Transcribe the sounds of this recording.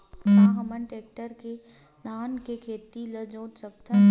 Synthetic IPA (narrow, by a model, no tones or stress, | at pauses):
mãːɦɐmənʈeːk̚ʈəɾke | naːnkekʰeːt̪iləd͡ʒõːsək̚t̪ʰən